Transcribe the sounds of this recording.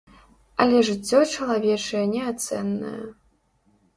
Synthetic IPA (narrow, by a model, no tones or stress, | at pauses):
alʲɛʐɨt͡sʲːɔt͡ʂɐlˠavʲɛt͡ʂɐjɛnʲɛat̪sɛnːɐ̰jɐ̰